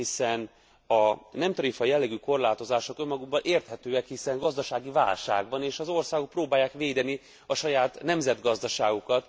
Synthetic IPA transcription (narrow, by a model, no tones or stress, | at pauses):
hisɛn | ɒnɛmt̪ɒɾifɒjɛlːɛɡyko̞rlaːt̪o̞zaːʃo̞kømːɒɡuɡbɒnʔeːrt̪hɛt̪øːɛkhisɛŋɡɒzd̪ɒʃaːɡiva̰ːlʃa̰ːɡ̚bɒneːʃɒzo̞rsaːɡo̞k̚proːbaːjːaːkʋeːd̪ɛni | ɒʃɒjaːt̪nɛmzɛd̪ɡɒzd̪ɒʃaːɡukɒt̪